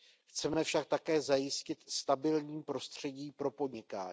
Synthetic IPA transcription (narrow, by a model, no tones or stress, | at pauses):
xt͡sɛmɛfʃak̚t̪akɛːzajɪscɪt̪st̪abɪlɲiːmpɾo̞st̪r̝̥ɛɟiːpɾo̞po̞dɲɪka̰ː